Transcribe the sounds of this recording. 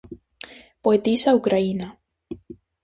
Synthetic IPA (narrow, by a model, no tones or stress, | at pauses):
poet̪isaukɾaina